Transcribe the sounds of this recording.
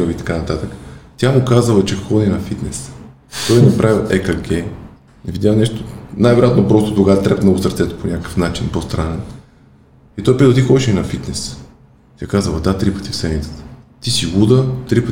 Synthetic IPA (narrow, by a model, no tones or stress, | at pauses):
əlit̪ɐ̥kanɐt̪at̪əkə̥t̪ʲamukazəvˠɐt͡ʃɛxɔdninɐfit̪nɛs | t̪ɔjɛnɐpɾʔavilˠɛkɐɡɛ | ɛvid̪ʲjalnɛʃt̪o̥najvɛɾojat̪nopɾɔst̪od̪oɡat̪ɾɛpmnoɡʊsəɾt̪sɛt̪ə̥ponʲʔakkə̥fnat͡ʃinpost̪ɾanɛn | it̪ɔjpit̪lˠt̪ixɔd̪ʲɛʃɛinɐfit̪nɛs | t̪jakazəvˠəd̪at̪ɾipə̥t̪i̥fsɛmit̪sə̥t̪ə̥t̪isiɡud̪ət̪ɾipə